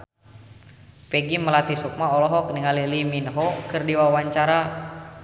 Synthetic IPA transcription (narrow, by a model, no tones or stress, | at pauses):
pɛɡiməlat̪isuk̚maɔlɔɦɔkniŋaliliminɦɔkɨrdiwawaɲt͡ʃaɾa